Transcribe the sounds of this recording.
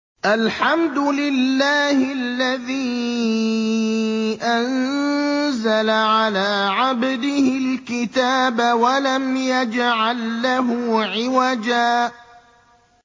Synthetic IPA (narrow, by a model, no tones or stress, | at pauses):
ʔalħamd̪ʊlɪlːaːhɪlːaðiː | ʔann | zalaʕalaːʕabd̪ɪhɪlkɪt̪aːbawalamjad͡ʒʕalːaɦʊʕɪwad͡ʒaː